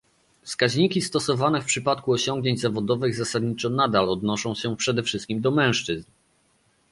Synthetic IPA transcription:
fskaʑɲikʲist̪ɔsɔvanɛfpʂɘpat̪kuɔɕɔŋɡɲeɲd͡ʑzavɔd̪ɔvɘɣzasad̪ɲit͡ʂɔnad̪alɔd̪nɔʂɔ̃w̃ɕɛpʂɛd̪ɛfʂɘst̪kʲimd̪ɔmɛ̃w̃ʂt͡ʂɘzn

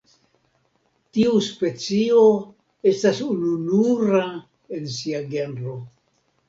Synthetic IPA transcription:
tiuspe̞t͡sio̞ | e̞stasununuɾa | e̞nsiaɡenɾo̞

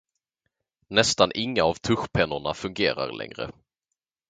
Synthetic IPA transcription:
nɛst̪anʔɪŋːaːvt̪ʰɵɧpʰɛnːʊɳafɵŋɡeːɾa̰ɾlɛ̰ŋɾə̰

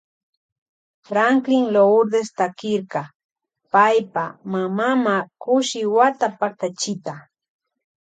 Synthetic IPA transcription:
fɾaŋklɪŋloʊɾd̪est̪akɪɾkɑ | pajpamamamakʊʃɪwat̪apak̚t̪at͡ʃɪt̪a

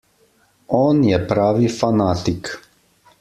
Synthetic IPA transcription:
oːnjɛpɾaːʋifanaːt̪ik

